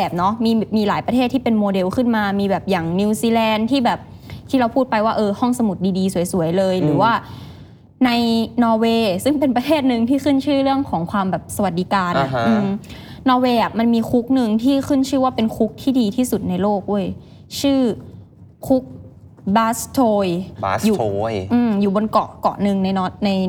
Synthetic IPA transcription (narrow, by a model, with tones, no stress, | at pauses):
ɛː˨˩p̚nɔ˦˥miː˧˩miː˧laː˩˦jpɾa˧eː˥˩t̪ʰːiː˥˩pe˧nmoː˧de˧wkʰɯ˥˩nmaː˧miː˧bɛː˨˩p̚jaː˨˩ŋni˧wsiː˧lɛː˧nt̪ʰiː˥˩bɛː˨˩p̚ | t̪ʰiː˥˩ɾa˧wpʰuː˥˩t̪̚pa˧jwaː˥˩ʔɤː˧hɔ˥˩ŋsa˧mu˨˩t̪̚diː˧diː˧su˩˦jsu˨˩˦əjlɤː˧jɾɯː˩˦waː˥˩ | na˧jnɔː˧weː˧sɯ˥˩ŋpe˧npɾa˧t̪ʰeː˥˩t̪̚nɯ˧ŋt̪ʰiː˥˩kɯ˥˩nt͡ɕʰɯː˥˩ɾɯ˥˩əŋkʰɔː˩˦ŋkʰwaː˧mbɛː˨˩p̚sa˧wa˨t̪̚diː˧kaː˧nʔa˨˩ʔɯː˧mnɔː˧weː˧ʔa˨˩ʔma˧nmiː˧xʰu˦˥k̚nɯ˧ŋt̪ʰiː˥˩xʰɯ˥˩nt͡ɕʰɯː˥˩waː˥˩pe˧nkʰu˦˥k̚t̪ʰiː˥˩diː˧t̪ʰiː˥˩su˨˩t̪̚na˧jloː˥˩k̚du˥˩əj | t͡ɕʰɯː˥˩ | kʰu˦˥k̚ | baː˦˥st̪ʰoː˧jjuː˨˩ʔɯː˧mjuː˨˩bo˧nkɔ˨˩kɔ̰˨˩ʔnɯ˧ŋna˧jnɔ˦˥na˧j